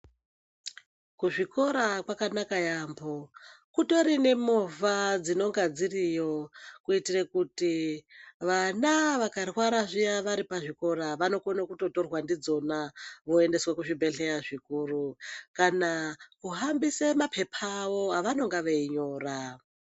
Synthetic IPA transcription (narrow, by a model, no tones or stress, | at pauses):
kuʐiko̞ɾakwakanakajambokuto̞ɾine̞movad͡zino̞ŋɡad͡zirijo̞kuitirekuti | ʋanaʋakarwaɾaʐijaʋaɾipaʐiko̞ɾaʋano̞konakuto̞to̞rwandid͡zo̞naʋo̞e̞nde̞swekuʐibʱe̞ɬejaʐikurukanakuɦambisemapʰe̞pʰaʋo̞ɦaʋano̞ŋɡaʋeiɲo̞ːra